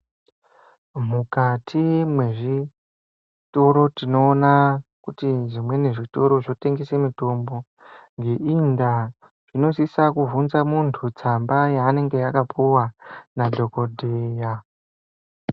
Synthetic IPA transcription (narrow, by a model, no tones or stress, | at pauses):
mukatʰimwe̞ʐi | to̞ɾo̞tino̞ːnakutiʐimwe̞neʐito̞ɾo̞ʐo̞te̞ŋɡesemito̞mbo̞ | ŋɡe̞ʔinda | ʐ̥ino̞sisakuvunzamuntʰut͡sambajaːne̞ŋɡe̞jakapʰuwanadʱo̞kodʱeja